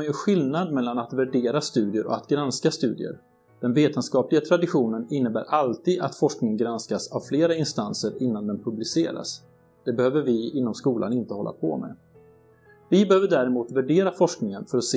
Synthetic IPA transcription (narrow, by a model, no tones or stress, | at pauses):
jɵɧɪlnad̪mɛlːanat̪væɖeːɾast̪ʉ̟ːd̪ɪəɾʔɔ̰at̪ɡɾanskast̪ʉ̟ːd̪ɪ̰ə̰ɾ | d̪̥ɛnveːt̪ənskɑːplɪɡat̪ʰɾad̪ɪɧuːnənɪnːəbæːɾʔalt̪iːd̪a̰t̪fɔʂknɪŋənɡɾanskasavfleːɾaɪnst̪ansəɾɪnːand̪ɛnpʰɵblɪsḛːɾa̰s | d̪̥ɛbɛhøːvəɾvɪɪnːɔmskuːlʔa̰nɪnt̪əhɔlːa̰pʰɔ̰mɛ̰ | vɪbɛhøːvəɖæɾɛmuːt̪væɖeːɾafɔʂknɪŋənfœɾɔs